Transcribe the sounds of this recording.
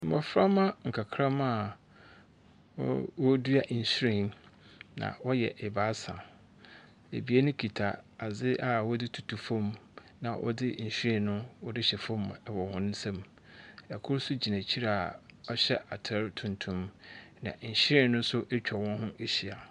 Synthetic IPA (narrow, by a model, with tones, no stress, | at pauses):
m̩˨a˨fɾa˦mã˦ŋ̩˨kʰa˨kʰɾa˦mã˦˨˦ | wɔ˦du˦a˨ʔɲ̩˨ɕɾɪ̃˨nnã̰˨wɔ˦jɛ̰˨ʔɪ˨ba˦sã̰˨ | ḛ˨bi˨˦e˦nʊ̃˦kʰi˨tʰa˨a˨zɪ˦ʔa˨wɔ˦dɪ˦tʰu̥˨tʰu˨fɔ̃˦m | nã̰˨ʔɔ̰˦dɪ˦ɲ̩˨ɕᶣɾɪ̃˦˨nnʊ̃˦wɔ˦dɪ˦ɕɛ˨fɔ̃˦m˨wɔ˨hʊ̃˨ñ˦sɛ̃˦m | ɛ˨kʰʊ˦ɾsʊ˦d͡ʑi˨næ̃˨t͡ɕʰi˦ɾa˦˨a˨ɔ˦ɕɛ˦ʔa˨tʰɛ˦ɾtʰʊ̃˨ntʰũ˦mnã̰˨ɕɾɪ̃˨nːʊ̃˦sʊ˦ʔɛ˦t͡ɕᶣʰɔ˨wɔ̃˦nhʊ̃˦ʔe˨ɕi˨a˨